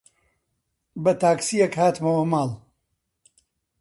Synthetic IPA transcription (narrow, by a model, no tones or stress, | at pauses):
bɐt̪aːksijekhaːt̪mɐwɐmaːl